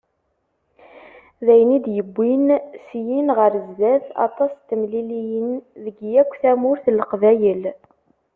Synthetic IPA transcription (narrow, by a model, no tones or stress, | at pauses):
ðæjnid̪jəbːinsjinʁəɾzðæðɑ̰t̪ˤɑst̪ːəmlilijənðəɡjækʷːθæmʊɾθləqvæjəl